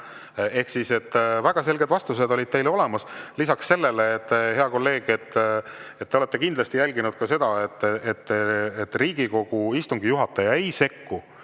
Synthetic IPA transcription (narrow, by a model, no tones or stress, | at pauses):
e̞hksise̞t̪ːˑvæɡ̥ɑse̞lɡe̞d̪vɑst̪use̞d̪o̞lʲid̪̚t̪e̞jleo̞le̞mɑslisɑksːe̞lːe̞leːt̪ːhe̞ɑko̞lːe̞ːɡ̥e̞t̪ːet̪ːeole̞t̪ːˑekind̪lɑst̪ijælʲɡinud̪̥kɑse̞d̪̥ɑet̪ˑːet̪ːet̪ːriːɡ̥iko̞ɡ̥uist̪uŋɡijuɦɑt̪ːˑɑjɑejse̞kːu